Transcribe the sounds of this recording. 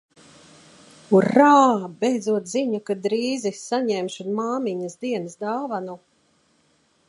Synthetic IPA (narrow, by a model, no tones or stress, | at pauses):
uɾaːbʲɛjd̪zuɔt̪ziɲakad̪ɾiːzisaɲɛmʃud̪maːmiɲɐsd̪iɛnsd̪aːvanu